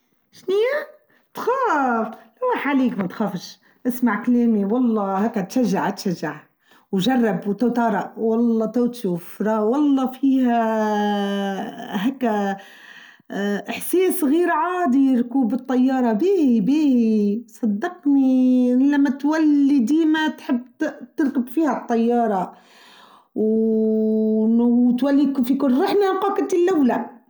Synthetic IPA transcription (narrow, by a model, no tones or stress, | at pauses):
ʃnijæ | t̪xɑːflæwaħaliːkmæt̪xæːfəʃ | ʔɪsmaʕkleːmiwɑlˤːɑhækːæt̪ʃæʒːaʕt̪ʃæʒːaʕ | wʒɑrˤːɑbwt̪awt̪ɑɾˤɑʔwɑlˤːɑt̪æwt̪ʃuːfɾˤɑwɑlˤːɑfiːhæ | ɦæːkːæ | ʔħsiːsɣiːɾʕaːd̪iɾkuːbət̪ˤːɑjːɑːɾˤɑbiːhibiːhisˤɑd̪ːɑqnilːæmːæt̪wælːid̪iːmæt̪ħəbːt̪əɾkəbfiːhæt̪ˤːɑjːɑːɾˤɑ | w | nt̪wælːikfikʊlɾɑħnaqɑːkət̪ilːʔæwlæ